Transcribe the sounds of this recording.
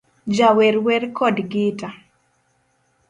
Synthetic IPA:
d͡ʒawɛɾwɛrkɔdɡɪta

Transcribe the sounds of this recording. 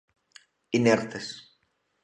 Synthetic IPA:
ineɾt̪es

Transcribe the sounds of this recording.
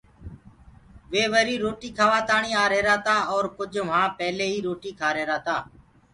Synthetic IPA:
ʋeːʋəɾiːɾoːʈiːkʰaːʋaːt̪aːɳiːaːɾeːɾaːt̪aːɔːɾkʊd͡ʒʋɦãːpɛːleːɦiːɾoːʈiːkʰaːɾeːɾaːt̪aː

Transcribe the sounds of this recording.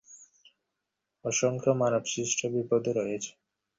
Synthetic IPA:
ɔʃoŋkʰomanobsɾiʃʈʰobibod̪ʱoɾɔjet͡ɕʰe̥

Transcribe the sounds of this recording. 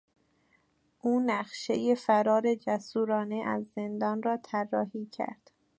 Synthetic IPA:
ʔuːnæχʃe̞̰jefæɾɒːɾe̞d͡ʒæsuːɾɒːne̞ʔæzːe̞nd̪ɒːnrɒːt̪ʰærːɒːhiːcʰæ̰ɾd̪̥

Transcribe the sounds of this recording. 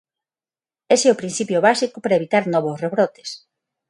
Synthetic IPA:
eseopɾin̟θipjoβasikʊpɾaeβit̪aɾnɔβʊsreβɾɔt̪e̥s

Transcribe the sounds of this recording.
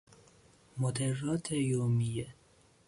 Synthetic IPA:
mod̪erːɒːt̪ʰejomije

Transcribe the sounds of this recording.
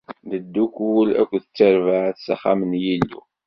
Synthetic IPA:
ðəd̪ːukulæ̰kʷːðət͡sːəɾvaʕθsaχamənjilːṵ

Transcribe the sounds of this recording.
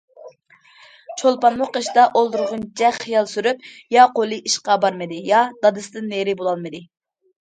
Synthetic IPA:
t͡ʃʰolˠpɑnmʊqeʃd̪ɑʔolˠd̪uɾʁʊnt͡ʃʰɛχijɑlˠsyɾypjɑqolˠɨʔiʃqɑbɑɾmɨd̪ɪjɑd̪̥ɑd̪ɨsɨd̪ɨnːeɾɪbolˠɑlˠmɨd̪ɪ

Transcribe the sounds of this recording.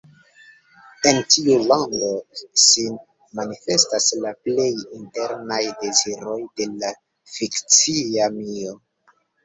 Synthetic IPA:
e̞ntiulaŋdo̞ʃin | manife̞staslaple̞jinte̞ɾnajde̞ziɾo̞jde̞la | fikt͡siamio

